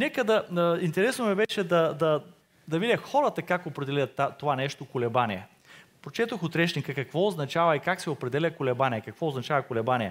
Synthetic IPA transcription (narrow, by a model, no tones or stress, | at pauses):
nɛkəd̪ɐint̪ɛɾɛsnoɛbɛʃɛd̪ɐd̪ɐ | d̪ɐvid̪ʲɐxɔɾɐt̪ɐkakopɾɛd̪ɛlʲɐt̪ːat̪ːovanɛʃt̪okolɛbaniɛ | pɾot͡ʃɛt̪oxot̪ɾɛt͡ʃnikəkɐkvɔoznɐt͡ʃavɐikaksɛopɾɛd̪ɛlʲɐkʊlɛbanʲiɛkɐkvɔoznɐt͡ʃavɐkʊlɛbanʲiɛ